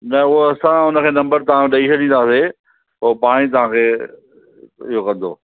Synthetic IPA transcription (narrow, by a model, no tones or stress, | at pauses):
nɐʊɦoɐsãʊnəkʰeːnɐ̃mbəɾt̪ɐʋãɗɐisɐɗĩːn̆d̪aːse | oːpaːɽ̃it̪̬ɐʋ̤ãkʰeː | ɪɦokɐ̃nd̪o̰ː